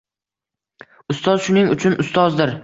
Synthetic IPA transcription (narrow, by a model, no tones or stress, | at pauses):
ʊst̪ɒzʃʊnɪŋʊt͡ʃʰʊnʔʊst̪ɒzd̪ɪɾ